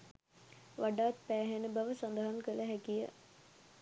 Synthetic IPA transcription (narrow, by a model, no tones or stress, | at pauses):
ʋaɖaːt̪̚pæːɦenəbaʋəsand̪əɦaŋkələɦækijə̰